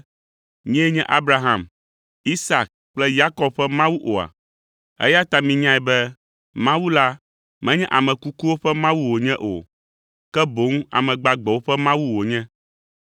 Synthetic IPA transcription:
ɲɛ̃˦ɲɛ̃˦ʔa˦bɾa˦ɦã˨m | i˦sa˨k̚ | k͡plɛ˦ja˦kɔ˦b̚ɸɛ˦mã˦wu˦ʔo˨a̰˨ | ɛ̰˦ja˦t̪a˨mĩ˨ɲã˦ɛ˨bɛ˦ | mã˦wu˦la˦ | mɛ̃˦ɲɛ̃˦ʔa˨mɛ̃˨ku˦ku˦wo˦ɸɛ˦mã˦wu˦wo˨ɲɛ̃˦ʔo̰˨ | kɛ˦bo˨˦ŋ˦a̰˨mɛ̃˨ɡ͡ba˨ɡ͡bɛ˨wo˦ɸɛ˦mã˦wu˦wo˨ɲɛ̃˦

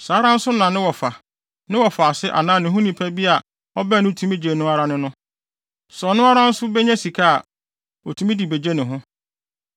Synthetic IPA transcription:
saː˨˦ɾã˦n̩˦sʊ˦nã˨nɪ̃˦wɔ˨fa˨ | nɪ̃˦wɔ˨fa˨sɪ˦ʔa̰˨nãː˦˨nɪ̃˨ɦʊ̃˦nĩ˨pʰæ˦bi˦a˨ | ɔ˦bɛ˦˨nʊ̃˦˨tʰũ˦mĩ˦d͡ʑe˨nʊ̃˦a˦ɾa˦nɪ̃˦nʊ̃˦ | sɔ˨nʊ̃˦a˦ɾã˦n̩˦sʊ˦bɛ˦ɲɛ̃˦si˨kʰa˦a̰˨ | ɔ˨tʰũ˨mĩ˦di˨be˨d͡ʑe˦nɪ̃˨ɦʊ̃˦

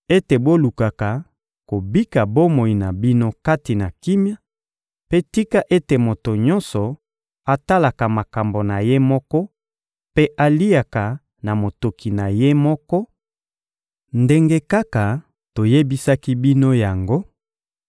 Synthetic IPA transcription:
e˦te˨bo˦lu˨ka˨ka˨ | ko˨bi˦ka˨bo˦mo˨i˨na˨bi˦no˦ka˦ti˨na˨ki˦mja˦ | pe˦ti˦ka˦ʔe˦te˨mo˨to˨ɲɔ̃˦nsɔ˨ | a˨ta˦la˨ka˨ma˨ka˨mbo˨na˨je˦mɔ˦kɔ˦ | pe˦ʔa˨li˦ja˨ka˨ | na˨mo˨to˨ki˨na˨je˦mɔ˦kɔ˦ | nde˦ŋɡe˦ka˦ka˨ | to˨je˦bi˦sa˦ki˦bi˦no˦ja˨ŋɡo˦

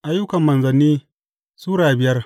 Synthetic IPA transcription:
ʔa˦jːʊ˦kɐ˨mːɐ˨nzɐ˨niː˦ | suː˦ɽaː˨bɪ˨jɐ˦r

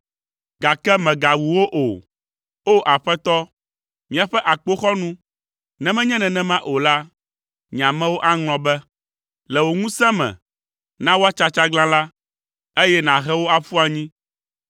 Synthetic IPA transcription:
ɡa˨kɛ˦mɛ̃˨ɡa˨wu˨wo˦ʔo˨ | o˦ʔa˨ɸɛ˦t̪ɔ˦ | mĩ˨a˨ɸɛ˦ʔa˨k͡po˦xɔ˦nũ˦ | nɛ̃˨mɛ̃˦ɲɛ̃˦nɛ̃˨nɛ̃˦mã˦ʔo˨la˦ | ɲ˨ã˨mɛ̃˦wo˦ʔa˦ŋl̃ɔ̃˨bɛ˦ | lɛ˨wo˨ŋũ˦sɛ̃˦mɛ̰̃˨ | nã˦wo˦a˦t͡ʃa˦t͡ʃa˦ɡlã˦la˦ | e˦jɛ˦nã˨ɣɛ˦wo˦a˨fu˦a˨ɲĩ˦

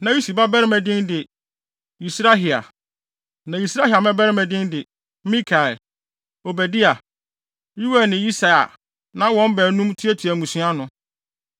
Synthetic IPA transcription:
nã˨˦ji˦si˨ba˦bɛ˦ɾɪ˦mɛ̃˨dɪ̃˦ndɪ˨ | i˨sɾa˦ɦi˨a̰˨ | nã˨ji˨sɾa˦hi˨a˨mɛ̃˦bɛ˦ɾɪ˦mɛ̃˨dɪ̃˦ndɪ˨˦ | mĩ˦kʰa˨ | o˨bɛ˨dɪ˦a˨ | ji˦wɛ˦˨nɪ̃˨ji˦sa˨a̰˨ | nã˦wɔ̃˦m˦bɛ˨˦nũ˦mtʰi˦ɛ˦tʰi˨æ˨mũ˨sũ˦a˦nʊ̃˨

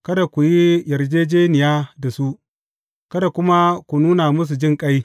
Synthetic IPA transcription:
kɐ˦da˨kʷu˨ji˦jɐ˨rd͡ʒeː˦d͡ʒeː˦nɪ˨jaː˦da˨su˦ʔ | kɐ˦da˨kʷʊ˦ma˦kʷu˨nuː˦na˨mʊ˦s̬u˨d͡ʒɪ˦˨ŋkʼa˦j

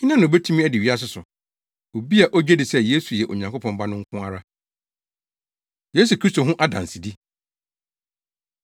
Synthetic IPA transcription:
ɲ̩˦nã˦ñ˨o˨be˦tʰũ˦mĩ˦æ˦dɪ˨ɥi˦a˦s̬ɪ˦sʊ˨ | o˨bi˦a˨ʔɔ˦d͡ʑᶣɛ˦dɪ˨sɛ˦˨je˦su˨jɛ˨ʔo̰˨ɲã˨ŋko˦pʰɔ̃˨mba˦nʊ̃˦ŋ̩˦kʰʊ̃˦a˨ɾa˦ | je˦s̬u˨kʰɾi˦sto˨ɦʊ̃˦ʔa˦dã̰˨n̩˨si˨di˦

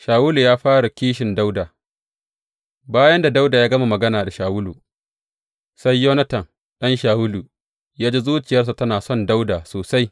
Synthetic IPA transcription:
ʃaː˨wʊ˦lu˨jaː˦ɸaː˦ɽu˨kʲiː˦ʃɪ˨nda˦wda˨ | baː˦jɐ˦nda˨da˦wda˨jaː˦ɡɐ˦ma˨mɐ˨ɡɐ˦naː˨da˨ʃaː˨wʊ˦luː˨ | sa˦jːoː˦nɐ˦tɐ˨n | ɗɐ˦nʃaː˨wʊ˦lu˨ | jaː˦d͡ʒe˦zuː˦t͡ʃɪ˨jɐ˦rs̬a˨tɐ˦naː˨sɔ˦˨nda˦wdaː˨soː˨sa˦j

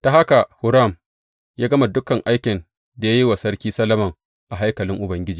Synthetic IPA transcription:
ta˨ɦa˦ka˨hʊ˨ɾa˦˨m | jaː˦ɡɐ˦ma˨dʊ˦kɐ˨ŋʔa˦jkʲɪ˨n | da˨ja˦ji˦wa˨sɐ˦ɽkʲiː˦sɐ˦lɐ˦mɐ˨ŋ | ʔa˨ɦa˦jkɐ˨lɪ˦ŋʔʊ˨bɐ˦ŋɡʲɪ˦d͡ʒiː˨

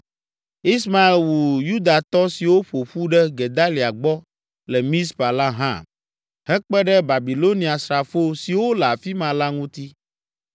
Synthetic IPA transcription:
i˦sma˨e˨lwu˨ju˦d̪a˨t̪ɔ˦si˨wo˦ɸo˨ɸu˦ɖɛ˦ɡe˨d̪a˦li˨a˨ɡ͡bɔ˦ | lɛ˨mĩ˦s̬pa˨la˦ɦã̰˦ | hɛ˦k͡pɛ˦ɖɛ˦ba˨bi˨lo˦nĩ˨a˨sɾa˨fo˦si˨wo˦lɛ˨a˨fi˦mã˨la˦ŋũ˦t̪i˦

